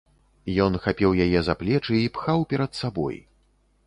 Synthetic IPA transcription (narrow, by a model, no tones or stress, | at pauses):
jɔnxapʲɛwjajɛzaplʲɛt͡ʂɨipxawpʲɛɾɐt̪sabɔ̰j